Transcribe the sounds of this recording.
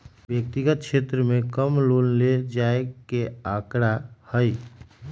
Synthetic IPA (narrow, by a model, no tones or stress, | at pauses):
bjək̚t̪iɡət̪̚t͡ʃʰet̪ɾəmekəmlonled͡ʒaekeakɾahəj